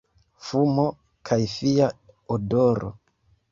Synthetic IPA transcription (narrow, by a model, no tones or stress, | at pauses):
fumo̞ | kʰajfia | odoɾo̰